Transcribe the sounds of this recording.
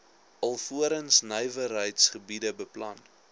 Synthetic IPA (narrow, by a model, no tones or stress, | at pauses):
ʔɐlˠfuəɾənsnəjvərɦəjtsχəbidəbəplɐn